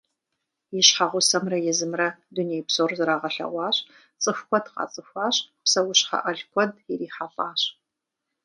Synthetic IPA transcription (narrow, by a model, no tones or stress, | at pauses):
jɪɕħaʁʷʊsɐmrɐjɛzɨmrɐduneːjpsoːrzɨɾaːʁɐɬɐ̰ʁʷɑːɕ | t͡sʼɨxkʷɔdqɑ̰ːt͡sʼɨxʷɑːɕpsɐwʊɕħɐ̰ʔɐɮkʷʰɔdjiriːħapʼaːɕ